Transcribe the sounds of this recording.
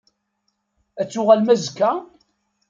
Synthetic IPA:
æt͡sːʊʁalmæzkːæ

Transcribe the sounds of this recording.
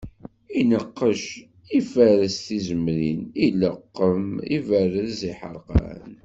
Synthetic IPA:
inəqːəʃ | ifəɾəsθizəmɾiniləqːəmḭvərəðziħə̰ɾˤqɑ̰n

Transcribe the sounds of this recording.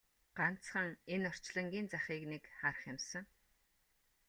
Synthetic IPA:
ɢ̥an̥t͡sχə̆ŋenɔr̥t͡ɕɮə̆ŋɡʲiːnt͡saχʲiːknekχarə̆χjɪmsə̆ŋ

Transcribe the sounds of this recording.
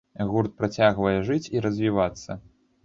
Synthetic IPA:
ɣurt̪̚pɾat͡sʲaɣvɐjɛʐɨt͡sʲiɾɐzʲvʲivat̪sːɐ

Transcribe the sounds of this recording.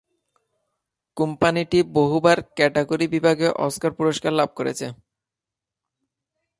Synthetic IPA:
kumpaniʈiboɦubaɾkɛʈeɡoɾibibʱaɡeʔɔ̰skaɾpuɾoʃkaɾlab̚koɾḛt͡ɕʰe

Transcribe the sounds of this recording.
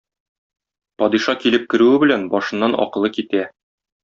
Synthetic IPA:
pɒd̪iʃɑkilɘp̚kɘ̆ɾʉwɘbɘ̆lænbɒʃɤ̆nːɑnɒ̰qɤ̆lˠɤkit̪æ

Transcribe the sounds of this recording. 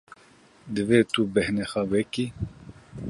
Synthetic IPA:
d̪ɨveːt̪ubɛhnɛxawɛki

